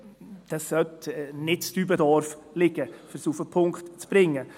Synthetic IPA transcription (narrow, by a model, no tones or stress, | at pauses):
d̪̥ɑsːœtnɪtstybədɑɾf | lɪɡ̥əfəsufəpʰʊŋktt͡sb̥ɾɪŋːə